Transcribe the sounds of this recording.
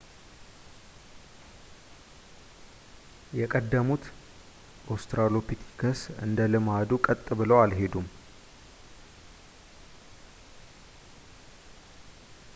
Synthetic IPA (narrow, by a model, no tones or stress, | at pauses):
jɛkʼəd̪ːəmut̪ | ʔost̪ɾalopʰit̪ʰi̥kʰəsɨ̰nd̪əlɨmad̪ukʼət̪ʼːɨβɨləwalɦe̞d̪um